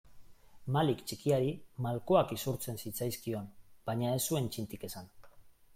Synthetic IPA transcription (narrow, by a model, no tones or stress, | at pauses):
malikt͡ʃikiaɾimalkoakisuɾt͡se̞nsit͡sajskio̞nb̥aɲae̞sːue̞nt͡ʃint̪ike̞san